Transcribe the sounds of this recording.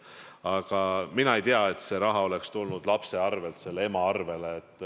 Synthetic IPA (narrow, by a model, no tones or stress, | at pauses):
ɑɡ̥ɑminɑejt̪eɑet̪se̞ɾɑɦɑo̞le̞kst̪ulnud̪̥lɑpse̞ɑrve̞lt̪se̞lːee̞mɑɑrve̞leːt̪ːˑ